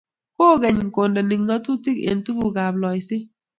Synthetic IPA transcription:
koː˦˨ɡɛ˨ɲ˨ŋ̩˨ko˨ndɔ˨ni˨ŋŋɔ˦tu˦ti˦kḛ˨n˨tu˦ku˨ɡa˨blɔ˨ɪ˨sɪ˦

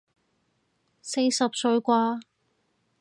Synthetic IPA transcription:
se˧jsɐ˨p̚sɵ˧ɥkʷaː˧

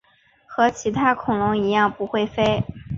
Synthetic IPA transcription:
xɤ˧˥t͡ɕʰi˧˥t̪ʰa˥kʰʊ˨˩ŋlʊ˧˥ŋi˧˥jɑ˥˩ŋpu˧˥xwe˥˩ɪfe˥ɪ

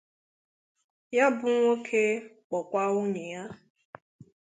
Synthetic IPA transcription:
ja˦bʊ˦ŋʷ˦o˦kʰe˦ | k͡pɔ˨kʷa˦o˦ɲe˨ja˦

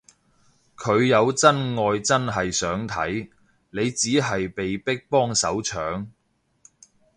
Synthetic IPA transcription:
kʰɵ˨˧ɥjɐ˨˧wt͡sɐ˥nŋɔː˧jt͡sɐ˥nɦɐ˨jsœː˨˥ŋt̪ʰɐ̰˨˥j | ne˨˧jt͡siː˨˥ɦɐ˨jpe˨jpɪ˥k̚pɔː˥ŋsɐ˨˥wt͡ʃʰœː˨˥ŋ

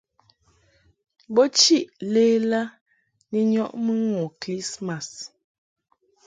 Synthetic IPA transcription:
bɔ˦t͡ʃi˦ʔle˦la˦ | ni˦ɲɔ˦ʔmə˦ŋɔ˨kli˦sma˨s

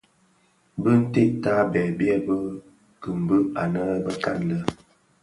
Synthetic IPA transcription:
bə˦n̩˦te˦˨ta˦bɛː˨bjɛ˦bə˦ | kə˨m˨bə˦a˨nə˦bə˦ka˦˨n˨lə˦

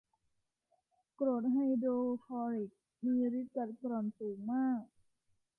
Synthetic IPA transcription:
kɾoː˨˩t̪̚ɦa˧˩jdoː˧fʰɔː˧ɾi˨˩k̚ | miː˧ɾi˦˥t͡ɕa˨˩t̪̚kɾɔ˨˩nsuː˩˦ŋmaː˥˩k̚

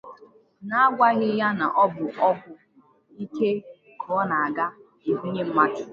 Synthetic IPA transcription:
na˦a˦ɡʷa˦ɣɪ˦ja˦na˨ʔɔ˦bʊ˨ʔɔ˦bʊ˨ | i˦ke˦ | kʰɔː˨˦na˨a˨ɡa˦ | i˨ɦu˦ɲe˦m̩˦ma˦kɪ˨

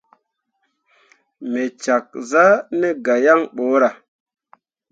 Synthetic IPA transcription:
me˨t͡ʃa˨k̚za˦ne˦ɡa˨ja˦ŋɓo˨˦ɾa˨

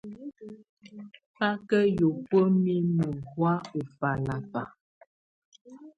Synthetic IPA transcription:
pa˦kə˦jo˨pə˦mi˦mu˨hwa˦u˨fa˨la˨fa˨

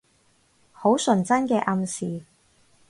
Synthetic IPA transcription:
ho˨˥wsɵ˨˩nt͡sɐ˥nkɛː˧ʔɐ˧msiː˨

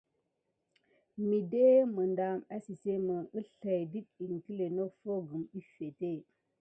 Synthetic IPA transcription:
mi˨de˦mə˨nda˨ma˦si˨se˦mə˨ə˦ɬa˨jdi˦t̚i˨ŋ˨ki˦le˨no˦fo˦ɡɨ˨mi˦fe˨te˦˨

